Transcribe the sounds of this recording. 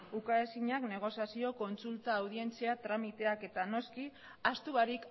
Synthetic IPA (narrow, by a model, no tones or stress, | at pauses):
ukaesiɲakne̞ɣ̞o̞sjasio̞ko̞nsult̪aːwð̞ie̞nt͡seat̪ɾamit̪e̞ake̞t̪ano̞ski | ast̪uɣaɾik